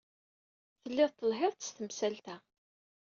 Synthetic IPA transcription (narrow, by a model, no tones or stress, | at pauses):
θəlːɪðt̪ːəlɦɪɾˤt̪ə̥st̪əmsælt̪æ